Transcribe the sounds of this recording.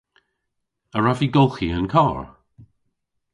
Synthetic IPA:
əɹaviɡolˠxiənkʰɔːɹ

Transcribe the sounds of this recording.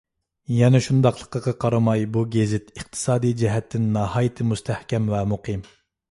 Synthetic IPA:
jɛnɛʃund̪ɑqlˠəqːɑqɑqʰɑɾɨmɑjbuɡʲezɪt̪əχ̚t̪ʰɨ̥sɑːd̪ijd͡ʒɛɦɛt̪ʰːɪnːɑhɑːjɨt̪ʰɨmust̪ʰæhkʲɛmvɛmuqʰɨm

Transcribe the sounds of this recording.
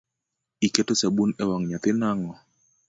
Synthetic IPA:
ikɛtosaɓunɛwaŋɲat̪ɪnaŋɔ

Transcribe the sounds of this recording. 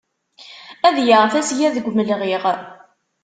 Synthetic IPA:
æðjəʁfæsjæðəɡʷməlʁɪʁ

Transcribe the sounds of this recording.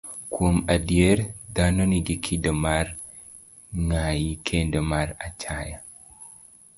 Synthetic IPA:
kʰuomadieɾdanoniɡikʰidəmaɾ | ŋajikʰendəmaɾat͡ʃʰaja

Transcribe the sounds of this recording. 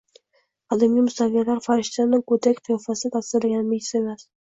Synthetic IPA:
ɒd̪amɡʲimʊst̪avijalaɾfaɾɪʃt̪anːɪŋkɵt̪ʰakʲqʰɨjɒfasɪt̪ʰasɪɾlaɡʲanɪmɪjɪsemas

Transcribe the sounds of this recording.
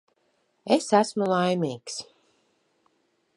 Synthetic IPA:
esæsmulˠajmiːks

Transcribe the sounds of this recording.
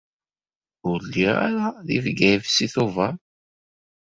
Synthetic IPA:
ʊɾlːiʁa̰ɾaðivɡævsiθuvaɾ

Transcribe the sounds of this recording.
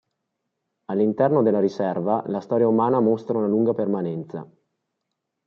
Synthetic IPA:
alːint̪ɛrnod̪elːaɾisɛrvalast̪ɔːɾjaumaːnamost̪ɾaunaluŋɡapermanɛnt̪sa̰

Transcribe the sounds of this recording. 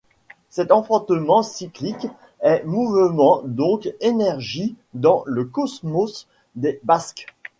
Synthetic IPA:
sɛt̪ɑ̃fɔ̃t̪əmɑ̃siklik | ɛmuvmɑ̃d̪ɔ̃kenɛʁʒi | d̪ɑ̃ləkɔsmɔs | d̪ebask

